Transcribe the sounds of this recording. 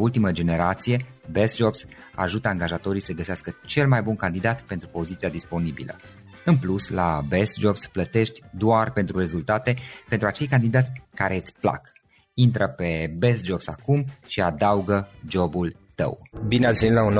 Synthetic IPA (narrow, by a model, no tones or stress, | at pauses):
ult̪iməd͡ʒe̞ne̞ɾat̪sije̞ | best̪̚d͡ʒo̞bs | a̰ʒut̪əaŋɡaʒat̪o̞ɾijsəɡəseaskət͡ʃe̞lmajbunkand̪id̪at̪pe̞nt̪ɾupo̞zit̪siad̪ispo̞nibḭlə̰ | ɨnpluslabes̚d͡ʒo̞bsplət̪e̞ʃt̪ʲd̪oarpe̞nt̪ɾure̞zult̪at̪e̞pe̞nt̪ɾuat͡ʃe̞jkand̪id̪at̪ʲkaɾet̪sʲpla̰k | int̪ɾəpe̞be̞s̚d͡ʒo̞bsakumʃiad̪auɡəd͡ʒo̞bul | t̪ə̰wbineasvʲinit̪laun